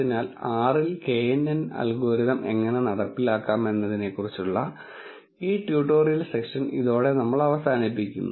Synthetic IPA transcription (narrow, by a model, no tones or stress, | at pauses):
inaːlaːrilke̞ːjenːɐnɐ̰lɡoːɾiðɐmeŋːɐne̞nɐɽɐrpːilaːkːaːme̞nːɐðine̞kːurit͡ɕːuɭːɐ | iːʈjuːʈːo̞ːrijɐlsekʂɐniðo̞ːɽe̞nɐmːɐɭɐʋɐsaːnipːikʲːunːu